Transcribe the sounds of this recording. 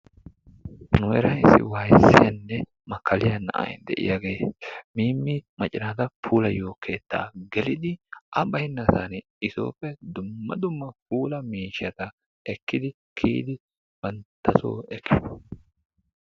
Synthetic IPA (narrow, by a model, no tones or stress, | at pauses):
nʊɛɾɐɪsːɪ̰waːjsːɪ̰jɐnːɛ | mɐkʰːɐlɪjɐnːɐ̰ʔɐ̰j̰d̪ɛ̰ʔɪ̰jaɡe̞ːmiːmːɪmɐt͡ʃʼɪnad̪ɐpʰuːlɐjo̞ːkːe̞ːt̪ːa̰ːɡɛlɪd̪ɪʔɐbɐjɪnːɐsɐn | ɪso̰ːpːɛd̪ʊmːɐ̰d̪ʊmːɐp̚uːlɐmiːʃːɐt̪ɐ | ɛkːɪd̪ɪ | kʰḭːd̪ɪ | b̥ɐnt̪ːɐso̰ːɛkʰːɪ